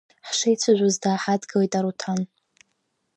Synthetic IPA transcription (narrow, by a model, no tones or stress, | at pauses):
ħʂejt͡sʷʰaʒʷʊzdaːħadɡawejtʼaɾutʰan